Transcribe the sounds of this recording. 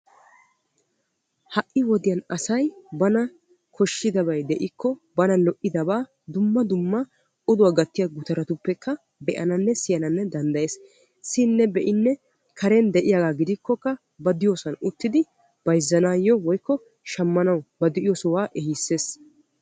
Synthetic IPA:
hɐʔːɪwɔd̪ɪjɐnɐsɐjbɐnɐ | kʰɔʃːɪd̪ɐbɐjd̪ɛʔɪkːɔbɐnɐlɔʔːɪd̪ɐbaː | d̪ʊmːɐd̪ʊmːɐ | ʊd̪ʊwaːɡɐt̪ːɪjaɡʊt̪ɐɾɐt̪ʊpːɛkʰːɐ | bɛʔɐ̰nɐnːɛsɪjɐnɐnːɛd̪ɐnd̪ɐjeːs | sɪnːɛbɛʔɪnːɛ | kʰɐɾɛnd̪ɛʔɪjaɡaːɡɪd̪ɪkːɔkːɐ | bɐd̪ɪjoːsɐnʊt̪ːɪd̪ɪ | b̥ɐjzːɐnaːjːɔwɔjkːɔ | ʃɐmːɐnɐwbɐd̪ɪʔɪjɔːsɔwaːʔɛhisːe̞ːs

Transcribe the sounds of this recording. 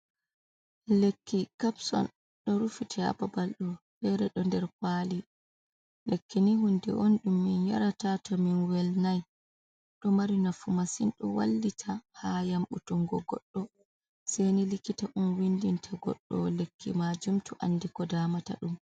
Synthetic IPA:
lekʰːikapsɔ̰n | ɗɔɾufitʰia̰babalɗɔbɛɾɛɗɔndɛɾkwaːli | lekːiniɦundɛ̰ʔɔnɗumːinja̰ɾatatʰɔminwɛlnaj | ɗɔmaɾinafumasinɗɔ̰wa̰lːitʰahajamʔutuŋɡɔɡɔ̰ɗːɔ | sɛjnilikːitaʔunwindintʰaɡɔ̰ɗːɔ̰lekːḭmad͡ʒumtuʔandikɔdaːmata̰ɗum

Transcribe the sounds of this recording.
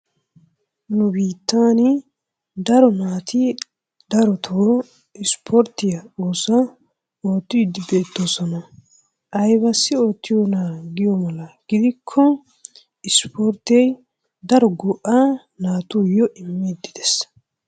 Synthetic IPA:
nʊbiːt̪ːaːnɪ | d̪ɐɾɔnaːt̪ʰɪ | d̪ɐɾɔt̪ʰo | ɪspʰɔɾt̪ːɪjɐoːsɐ | o̞ːt̪ːɪd̪ɪbe̞ːt̪ːosɐnɐ | ʔɐjbɐsːɪo̞ːt̪ːɪjɔnaːɡɪjɔmɐlɐɡ̥ɪd̪ɪkʰːɔ | ɪspʰoɾt̪ːɪjɛj | d̪ɐɾɔɡɔʔa | naːt̪uːjɔʔɪmːɪd̪ɪd̪ɛs

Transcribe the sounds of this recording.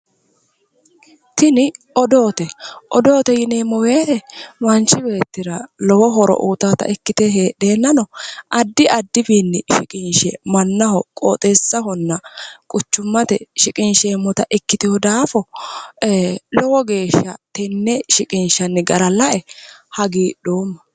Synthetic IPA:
t̪ɪnɪ | ɔd̪o̞ːt̪ɛʔɔd̪o̞ːt̪ɛjɪneːmːɔwe̞ːt̪ɛmɐnt͡ʃːɪbe̞ːt̪ːɪɾɐlɔwɔɦɔɾɔ̰ʔuːt̪at̪ɐ̰ʔɪkːɪt̪ɛɦeːɗeːnːɐnɔʔɐd̪ːɪɐd̪ːɪbiːnːɪʃɪkʼɪnʃɛ̰mɐnːɐhɔkʼo̰ːt̪ʼesːɐhɔnːɐkʼʊt͡ʃːʊmːɐt̪ɛʃɪkʼɪnʃɛːmːɔt̪ɐʔɪkːɪt̪ɪhɔd̪aːfɔ | lɔwɔɡe̞ːʃːɐ̰t̪ɛnːɛʃɪkʼɪnʃɐnːɪɡɐɾɐlɐʔɛhɐɡiːɗo̞ːmːɐ

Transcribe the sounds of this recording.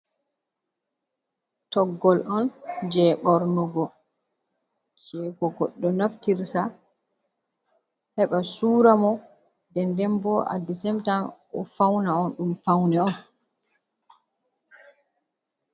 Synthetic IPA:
tɔɡːɔlʔɔnd͡ʒɛːɓɔɾnɔɡɔ | d͡ʒɛːɡɔɡɔɗːɔnaftiɾsa | hɛɓasuːɾamɔ | dɛndɛmbɔʔa̰disɛmtamʔɔfawnaɔnɗumfawnɛɔn

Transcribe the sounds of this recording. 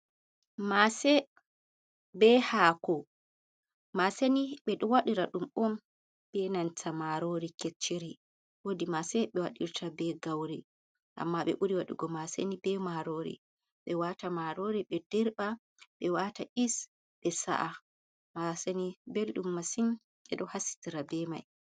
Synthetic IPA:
masɛ | bɛhaːkɔ | maseniɓɛɗuwaɗiɾaɗumʔɔm | b̥ɛnantamaɾoɾiket͡ʃːiɾi | wodimasɛɓɛwaɗḭɾtʰabɛɡawɾi | ʔa̰mːaɓɛ̰ʔuɾiwaɗḭɡɔmasenibɛmaɾoɾḭ | ɓɛwatamaɾoɾiɓɛdiɾɓa | ɓɛwataʔis | ɓɛsa̰ʔa | masenibelɗumːasin | ɓɛɗɔhasi̥tiɾabɛma̰j

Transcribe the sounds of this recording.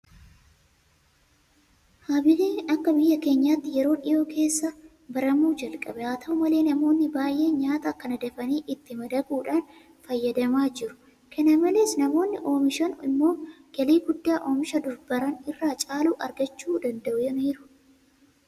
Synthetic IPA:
haːbɪleːnɐkːɐbɪjːɐke̞ːɲːaːt̪ːɪjɛɾo̞ːᶑɪjo̞ːkʰe̞ːsːɐ | bɐɾɐmuːd͡ʒɐlkʼɐbɛaːt̪ʰɐʊmɐle̞ːnɐmo̞ːnːɪbaːjʔe̞ːɲaːt̪ɐkːɐnɐd̪ɐfɐniːʔɪt̪ːɪmɐd̪ɐɡuːᶑaːn | fɐjːɐd̪ɐmaːd͡ʒɪɾʊ̥ | kʰɐnɐmɐle̞ːsnɐmo̞ːnːɪʔo̞ːmɪʃɐnɪ̰mːo̞ː | ɡ̥ɐliːɡʊd̪ːaːʔo̞ːmɪʃɐd̪ʊɾbɐɾɐnɪrːaːt͡ʃʼaːluːʔɐɾɡɐt͡ʃːuːd̪ɐnd̪ɐʔʊjɛniːɾʊ̥

